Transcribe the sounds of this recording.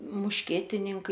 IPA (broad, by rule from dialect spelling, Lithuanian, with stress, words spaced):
mʊʃʲˈkʲiɛtʲɪnʲɪŋkɐɪ